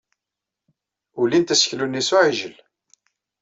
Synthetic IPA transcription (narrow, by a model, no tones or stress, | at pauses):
ʊlint̪æsə̥çlunːisuʕiʒəl